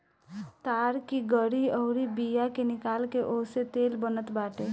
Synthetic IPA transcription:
t̪aːɾkiɡəɽiɔːɾibijakenɪkaːlkeʔoːset̪eːlbənət̪baːʈe

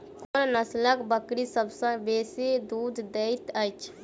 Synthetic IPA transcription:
konnəsləkbəkɾisəbsə̃beːsed̪ud̪d̪eɪt̪ət͡ʃʰ

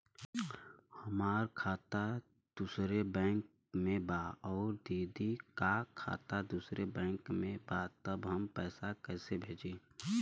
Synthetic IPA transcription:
həmaːɾkʰaːt̪a | d̪̥usɾebɛ̃ːŋk̚ | mẽbaɔːɾd̪iːd̪ikakʰa̰ːt̪ad̪usɾebɛ̃ːŋkmẽbat̪əbɦəmpɛːsakɛːsebʱeːd͡ʒeː

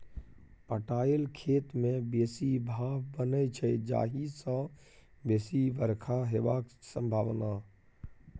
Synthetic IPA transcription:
pəʈaːɪlkʰeːt̪mẽbeːsibʱaːʋbənət͡ʃʰəd͡ʒa̰ːɦisã | beːsiʋəɾkʰaɦeʋaːksə̃mbʱaːʋna

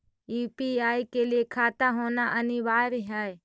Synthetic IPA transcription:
uːpiaːikeliekʰaːt̪aɦoːnaʔɐniʋaːɾiɦɛː

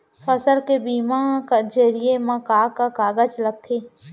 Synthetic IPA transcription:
pʰəsəɾkebiːmãkad͡ʒəɾijemãkaːkakaːɡəd͡ʒləɡ̚t̪ʰe

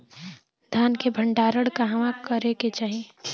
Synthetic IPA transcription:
d̪ʱjaːnkebʱə̃ɳɖaːɾəɽkaɦəʋakəɾeket͡ʃaːɦie

